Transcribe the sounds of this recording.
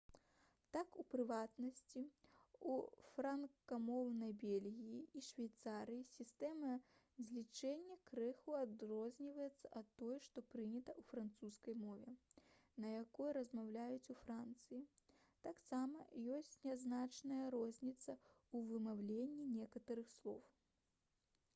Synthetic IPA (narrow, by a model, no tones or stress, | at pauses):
t̪akupɾɨvat̪nɐsʲt͡sʲiufɾankkamɔwnɐjbʲelʲɣʲijiiʂvʲajt̪saɾɨjisʲist̪ɛmɐ | zʲlʲit͡ʂɛnʲːɐkɾɛxuad̪rɔzʲnʲivɐjɛt̪sːɐʔɐt̪ːɔjɛʂt̪ɔpɾɨnʲɐt̪ɐufɾant̪suskɐjmɔvʲɛnɐjakɔjɾɐzmawlʲajut͡sʲufɾant̪sɨji | t̪aksamɐjɔsʲt͡sʲnʲaznat͡ʂnɐjɐɾɔzʲnʲit̪sɐ | uvɨmawlʲenʲːinʲɛkɐt̪ɐɾɨxslˠɔw